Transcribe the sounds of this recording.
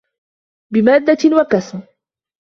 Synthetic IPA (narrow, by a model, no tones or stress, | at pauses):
bɪmaːd̪ːawakasm